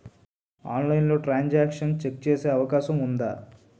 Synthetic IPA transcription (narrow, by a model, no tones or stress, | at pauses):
aːnlɐjinlo̞ːʈɾaːɲd͡ʒaːkʂɐnt͡ʃek̚t͡ʃeːseːɐʋɐkaːʃɐmund̪a̰ː